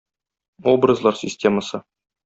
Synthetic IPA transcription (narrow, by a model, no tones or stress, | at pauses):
o̞brəzlˠɑrsʲɪsʲtʲeməsɤ